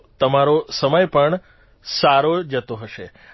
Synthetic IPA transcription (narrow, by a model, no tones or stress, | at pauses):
t̪əmaɾosəməjpəɳ | saɾod͡ʒət̪oɦəʃe